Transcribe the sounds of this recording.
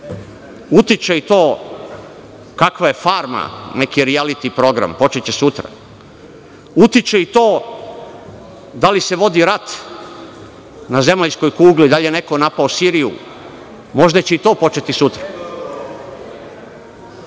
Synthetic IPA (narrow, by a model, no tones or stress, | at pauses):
ut̪it͡ʃeit̪o̞ː | kakʋaje̞faɾma̰ne̞kiɾialit̪ipɾo̞ɡɾa̰mpo̞t͡ʃet͡ɕesut̪ɾa̰ | ut̪it͡ʃeit̪oː | d̪alise̞ʋo̞d̪iɾat̪ | naze̞maʎsko̞jkuːɡlid̪aʎjene̞ko̞napaosiɾijṵ | mo̞ʒd̪at͡ɕe̞it̪o̞ːpo̞t͡ʃe̞t̪isut̪ɾa